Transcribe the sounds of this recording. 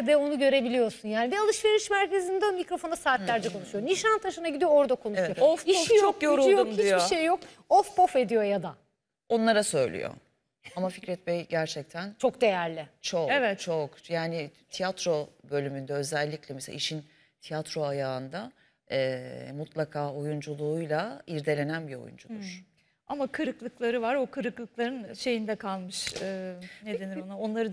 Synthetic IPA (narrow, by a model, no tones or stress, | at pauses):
d̪ɛo̞nuɟø̞ɾe̞bilʲijo̞sunjaːnibialˠɯʃve̞ɾiʃmæɾcʰe̞zinid̪omicɾo̞fo̞nasaːt̪lʲæɾd͡ʒɛkʰonuʃujoniʃant̪ʰaʃɯnaɟid̪ijo̞oɾd̪akʰo̞nuʃujoofiʃijokjoɾulˠjomhdiit͡ʃjoiʃejjo̞k̚ | ofpʰo̞fe̞d̪ijo̞jad̪a | o̞nlˠaɾasø̞jlʲḭjo̰ | amaficɾɛt̪̚mɛjɟæɾt͡ʃʰɛc̚t̪ʰænt͡ʃʰo̞k̚d̪e̞jæɾlʲɪt͡ʃʰoevɛt̪t͡ʃʰokjaːnɪt̪ʰijat̪ɾo̞bø̞lʲymynd̪ɛø̞zɛlʲːicʲlʲɛmesḛʔḭʃin | t̪ʰijat̪ɾo̞ajaːɯnd̪a | ɛmut̪ʰlˠakʰaːo̞jund͡ʒulˠuːjlˠaiɾd̪e̞lʲe̞nænbiɾo̞̰jṵnd͡ʒud̪ɾ̥ | amakʰɯɾɯklˠɯklˠaɾɯvaɾo̞kʰɯɾɯklˠɯklˠaɾɯnʃe̞jind̪ɛkʰalˠmɯʃɯːned̪e̞niɾonao̞nlˠaɾɯ